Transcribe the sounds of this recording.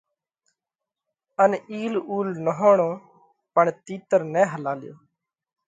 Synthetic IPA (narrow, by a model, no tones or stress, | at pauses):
əniːluːlnəɦoːɳoː | pəɳt̪iːt̪əɾnɛ̃ːɦəlaːlɪjo̰ː